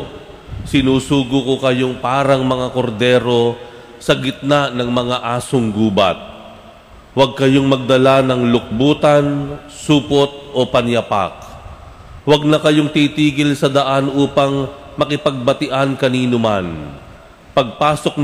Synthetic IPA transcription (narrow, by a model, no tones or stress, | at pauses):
sɪnuːsuːɡʊkokɐjo̞ŋpaːɾɐŋmɐŋako̞ɾd̪ɛːɾo̞ | sɐɡɪt̪̚nanɐŋmɐŋaʔaːsoŋɡuːbɐ̰t̪̚ | wɐɡ̚kɐjo̞ŋmɐɡ̚d̪ɐlanɐŋlʊk̚buːt̪ɐn | suːpot̪̚ʔo̞pɐnjɐpa̰k̚ | wɐɡ̚nɐkɐjo̞ŋt̪iːt̪iːɡɪlsɐd̪ɐʔanʔuːpɐŋ | mɐkɪpɐɡ̚bɐt̪ɪʔankɐniːnʊma̰n | pɐɡ̚paːso̞k̚n